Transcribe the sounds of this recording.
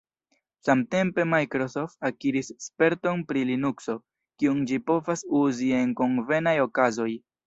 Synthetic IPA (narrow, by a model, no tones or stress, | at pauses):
samte̞mpe̞majkɾo̞so̞ftakiɾisːpe̞ɾto̞npɾilinukso̞ | kiund͡ʒipo̞vasuzie̞ŋko̞ŋve̞najo̞kazo̞j